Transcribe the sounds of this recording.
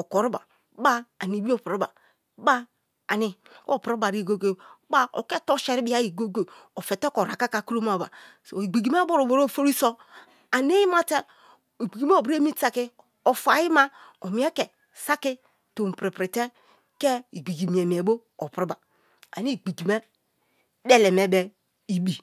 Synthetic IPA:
o˨ko˨ɾu˦ba̰˨˦ | ba˦a˨ni˨bi˦o˦˨pɾi˦ba˨˦ | ba˦ | a̰˨ni˨ko˦˨pɾba˨ɾi˦˨ɡo˦ɡo˦ba˦o̰˨ke˦to˦ʃe˨ɾi˦bi˦a˦i˨ɡo˦ɡo˨ | o˨fe˨te˦ko˨ɾa˨ka˦ka˨ku˦ɾo˦ma˨ba̰˨so˨i˨ɡ͡bi˨ɡi˨m˦a˦bo˦ɾo˨bo˨ɾo˦˨fo˦ɾi˦so˦ | a˨n˦e˦ji˦ma˦te˦ | e˨ɡ͡bi˨ɡi˨me˦o˨bɾe˦mi˦ta˨ki˦ | o˨fa˨ji˦ma˦o˨mi˨˦e˦ke˨ | sa˦ki˦ | to˨m̩˨pɾi˨pɾi˨te˦ | ke˦i˨ɡ͡bi˨ɡi˨mi˨e˨m˨e˨bo˦ | o˨pɾi˦ba˨ | a̰˨ni˦˨ɡ͡bi˨ɡi˨me˦ | de˦le˨me˨be˨ | i˨bi˨

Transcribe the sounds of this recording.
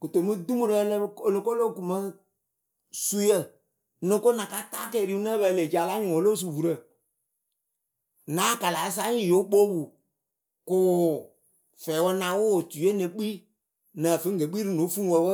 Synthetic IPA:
ko˨to˨˦mɨ̃˦dũ˦o˦ɾo˧˦lo˨lõ˧˦ko˦lo˦˨ku˨mã˦ | su˦jə˦˨ | nõ˨˦ko˦nã˨ka˦taː˦kɛ˨ɾi˦u˦nə̃˦bə˧˨le˨d͡ʒa˨la˦ɲũ˨o˨˦lo˦s̬u˨wu˨ɾə˨ | nãː˨˦˨ka˨la˨˦s̬a˦ɲĩ˦˨jo˨˦k͡po˦wu˨ | kʊ˨ | fɛː˨˦wɔ˧˦nã˧˦wo˦˨tu˨˦e˦nẽ˧˦k͡pi˦ | nã˨fɨ˨˦ŋ˦ɡe˨˦k͡pi˦ɾɨ˦nõ˨˦fũ˦wo˧˦wə˦

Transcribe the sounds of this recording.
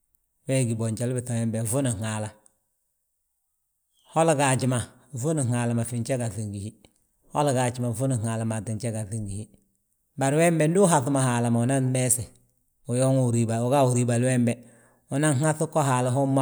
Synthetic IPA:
we˦˨ɡi˨bo˨ɲt͡ʃa˨lbi˨ta˨we˦mbe˨vu˦ni˨ŋa˨la˨ | ho˦la˨ɡa˨d͡ʒi˨ma˨ | vu˦ni˨ŋa˨la˨ma˨fi˨nt͡ʃe˦ɡa˨θi˨ŋɡi˨hi˦ | ho˦la˨ɡa˨d͡ʒi˨ma˨fu˦ni˨ŋa˨la˨ma˨ti˨nt͡ʃe˦ɡa˨θi˨ŋɡi˨hi˦ | ba˨ɾwe˦mbe˨n˦du˦ɦa˨θu˦ma˨ha˨la˨ma˨u˨na˦nme˦se˨ | u˨jo˦ŋu˦˨ɾi˨ba˨u˨ɡa˦u˨ɾi˨ba˨lwe˦mbɛ˨ | u˨na˦ŋŋ˦a˦θu˦kːo˦ɦa˨la˨ɦu˦mːa˦

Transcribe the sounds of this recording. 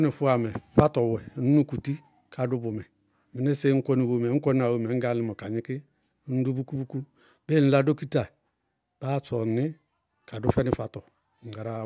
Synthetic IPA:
ni˨fu˦a˨mɛ˨fa˦tɔ˨wɛ˨nu˦nu˦ku˨ti˦ | kʰa˨du˦bu˨mɛ˨ | mi˨ni˦se˦ŋ̩˦ko˦ni˨bo˨me˨˦ŋ̩˦ko˦n˦a˨wo˨me˨˦ŋ̩˦ɡa˦li˦mɔ˨ka˨ɲi˦ki˦ | n˦du˦bu˦ku˦bu˦ku˦ | be˦˨n̩˦la˦do˦ki˦ta˨ | b̥a˦sɔ˨ni˦ | ka˨du˦fɛ˦ni˨fa˨tɔ˨ | ŋ̩˨ɡa˨ɾa˦

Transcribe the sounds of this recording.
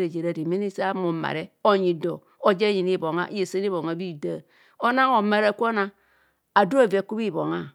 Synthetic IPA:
ɾe˨d͡ʒe˨ɾa˨di˨mi˦ni˦sa˦mo˨ma̰˨ɾe˦o˦ɲi˨do˨ | o˦d͡ʒe˦ɲi˨ni˦˨bo˨ŋa̰˦ʔje˨se˦n˦i˦bo˨ŋa˨bi˦˨da˦ | o˦na˦ŋo˨ma˨ɾa˦˨kʷo˦na˦ | a˨du˦a˦˨ve˨ku˦bi˦˨bo˨ŋa˦

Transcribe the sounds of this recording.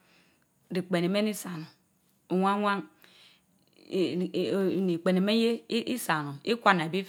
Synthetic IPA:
di˨k͡pe˨ne˨me˦ni˦sa˨nu˨ | o˨ŋʷa˦ŋʷa˦ŋ˨ | ni˨k͡pe˨ne˨me˦je˦i˦sa˨nu˨ni˦kʷa˦n˨a˨bi˦

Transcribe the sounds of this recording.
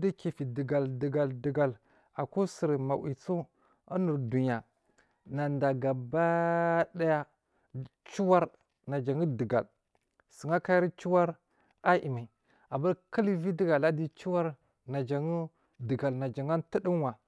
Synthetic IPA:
di˦ki˨fi˨di˨ɡa˨ldə˨ɡa˨ldə˨ɡa˨l | a˨ku˦si˨ɾma˨wḭ˨t͡su˦ | a˦nu˨ɾdu˨ɲ˨a˨ | na˨nda˨ɡa˨ba˦da˦ja˦ | t͡ʃu˦wa˦ɾ | na˨d͡ʒa˨ŋi˦də˨ɡa̰˨l | sə˨ŋa˦ka˦ji˦ɾt͡ʃu˦wa˦ɾ | a˦ʔḭ˨ma˨i˨ | a˨ba˦ɾkə˦li˦vi˦di˦ɡa˨la˦di˦t͡ʃu˦wa˦ɾ | na˨d͡ʒa˨ŋu˦ | də˨ɡa˨lna˨d͡ʒa˨ŋa˦n˦ti˦di˦n˦wa˨

